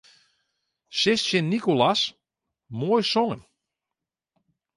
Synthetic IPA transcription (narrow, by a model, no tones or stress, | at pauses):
sɪssɪnːikolas | moːjsoŋən